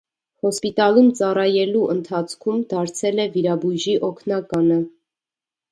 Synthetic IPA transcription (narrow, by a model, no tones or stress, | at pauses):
hɔspit̪ɑlumt͡sɑrɑjɛluʔənt̪ʰɑt͡sʰkʰumd̪ɑɾt͡sʰɛlɛviɾɑbuʒiʔɔkʰnɑkɑnə